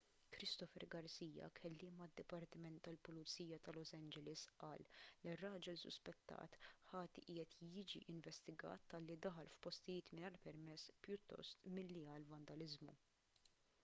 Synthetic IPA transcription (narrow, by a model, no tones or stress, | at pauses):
kɾɪst̪ɔfɛɾɡɐɾsiːjɐ̰kʰɛlːɪːmɐd̪ːɪpɐɾt̪ɪmɛnt̪ːɐlpʊlʊt͡sːiːjɐt̪ɐlɔsɐnd͡ʒɛlɪsʔɐːlːirːɐːd͡ʒɛlsʊ̰spɛt̪ːɐ̰ːt̪ħɐːt̪iʔɪːjɛt̪jɪːd͡ʒḭʔɪɱvɛst̪ɪɡɐ̰ːt̪ːɐlːid̪ɐħɐlfpɔst̪ɪjɪːt̪mɪnɐːɾpɛɾmɛsːpjʊt̪ːɔ̰st̪mɪlːiɐlvɐnd̪ɐlɪzmṵ